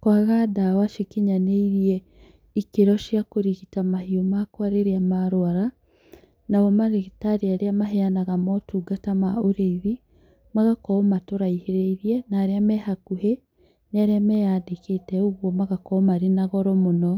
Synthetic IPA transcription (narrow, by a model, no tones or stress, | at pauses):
kwaɣadawaʃekeɲaneiɾiɛ | ikeɾɔʃjakoɾiɣitamahiomakwaɾeɾeamaɾoaɾa | nawɔmaɾeɣitaɾiaɾeamaɦeanaɣamɔtuːɡatamaoɾeiɾi | maɣakɔmatoɾaiheɾeiɾiɛnaːɾeamɛhakuɦe | neaɾeamɛjadeketɛoɣwɔmaɣakɔmaɾenaɣɔɾɔmonɔ